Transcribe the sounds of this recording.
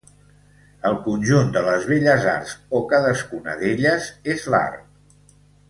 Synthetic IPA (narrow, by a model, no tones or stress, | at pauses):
əlˠkunʲʒund̪ələzβeʎəza̰rzokaðəskunə̰ðeʎəzezla̰rk